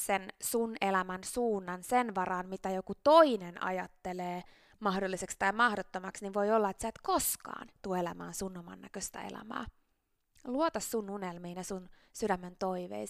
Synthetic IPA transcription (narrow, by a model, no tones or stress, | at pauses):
sensunelæmænsuːnːɑnsenʋɑrɑːnmit̪æjokut̪oinenɑ̰jɑt̪ːeleː | mɑhdolːisekst̪ɑjmɑhdot̪ːomɑksniʋʋo̞jolːɑet̪siæt̪koskɑ̰ːnt̪uoelæmæ̰ːnsunːomɑ̰nːæ̰køst̪æ̰ḛlæ̰mæ̰ː | luot̪ɑsːununelmiːnɑsun | sydæmːent̪o̞iʋḛi